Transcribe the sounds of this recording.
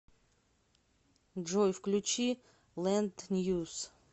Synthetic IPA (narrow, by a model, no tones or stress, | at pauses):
ʐɔjfklʲʊt͡ɕi | lˠɛnd̪nʲjus